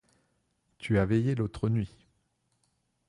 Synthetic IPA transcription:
t̪ʰyavɛjelot̪χənɥi

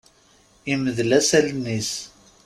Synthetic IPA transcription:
iməðlæsælnːis

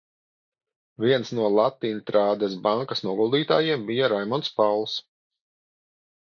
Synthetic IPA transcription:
vʲiɛnsnuɔlˠat̪ːiːnt̪ɾaːd̪ɛsbaŋkɐsnuɔɡulˠd̪iːt̪aːjiɛmbijaɾajmɔnspawlˠs

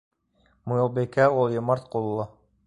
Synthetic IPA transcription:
mujŏlˠbekæulˠjŏmɑɾt̪̚qulˠːɤ

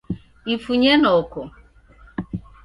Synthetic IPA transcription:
ifuɲenɔkʊ

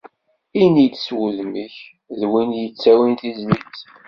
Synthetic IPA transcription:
init̪ːswuðməç | ðwinjət͡sːæwinθizlit͡s

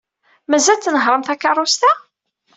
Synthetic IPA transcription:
mæzælt͡s̪ːnəɦɾˤəmθækːɑrˤːʊst̪æ

